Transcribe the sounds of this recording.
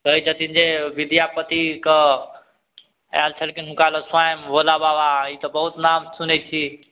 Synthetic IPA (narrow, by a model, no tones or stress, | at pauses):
k̪əid͡ʒət̪ind͡ʒeʋid̪japət̪ikə | a̰lt͡ʃʰəlkinɦukaləswajmbolabawait̪ɔbəɦut̪namsunɛt͡ʃʰi